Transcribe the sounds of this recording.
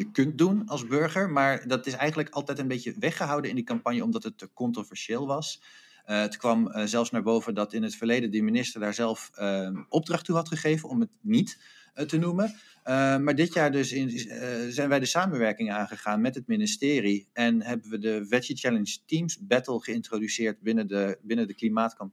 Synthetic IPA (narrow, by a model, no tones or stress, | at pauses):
jəkɵnt̚dunɑlˠzbɵɹχəɹmaːɹdɑtɪsɛjχənələkɑlˠtɛjtənbejcəʋɛχəɦɑwdənɪndikɑmpɑnjəɔmdɑtɦətkɔntrovɛɹʃɪːlˠʋɑs | ətkʋɑmzɛlˠfsnaːɹbowvəndɑtɪnɦətfəɹlejdədəminɪstəɹdaːɹzɛlˠfʔɔb̚drɑχtuɦɑtχəχejvənɔmətnit | tənumən | maːɹdɪtjaːɹdɵsɪzɛjnʋɛjdəsaːmənʋɛɹkɪŋaːnχəχaːnmɛtɦətmɪnɪstɪːriɛnɦɛbəʋədəvɛət͡ʃɛlənstimsbɛtəlˠχəɪntrodysɪːɹt̚bɪnəbɪnədəklimaːtkɑm